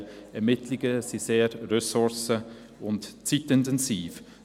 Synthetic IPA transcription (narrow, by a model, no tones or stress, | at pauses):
ɛɾmɪtlɪɡəsiseːɾɾøsʊɹsə | ʊntt͡sitɪntɛnsiːf